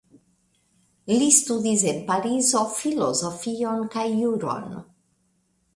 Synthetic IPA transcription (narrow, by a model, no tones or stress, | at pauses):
list̪ud̪is̬enpaɾizo̞filozofio̞nkajːuɾo̰n